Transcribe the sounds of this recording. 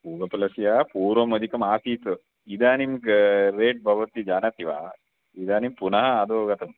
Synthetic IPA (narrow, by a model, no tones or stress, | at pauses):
puːɡɐpɐlɐsijaːpuːɾʋɐmɐd̪ikɐmaːsiːt̪ɐ | id̪aːnimɾeːʈ̚bʱɐʋɐt̪id͡ʒaːnɐt̪iʋa̰ː | id̪aːnimpunɐɦɐɐd̪oːɡɐt̪ɐm